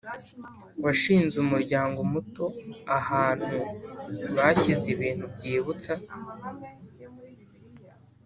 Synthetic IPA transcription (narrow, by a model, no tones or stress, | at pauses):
waʃiːnzumuɾɟaːŋɡomuto̞ahaːn̥hu | βacizeβiːn̥hubɟeːβut͡sa